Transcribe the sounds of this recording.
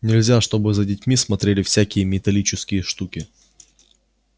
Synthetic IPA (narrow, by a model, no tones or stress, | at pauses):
nʲɪlʲzʲaʂt̪o̞bɨzədʲɪtʲmʲismɐt̪ɾʲelʲɪfsʲækʲɪjəmʲɪt̪ɐlʲit͡ɕɪskʲɪjəʂt̪ukʲɪ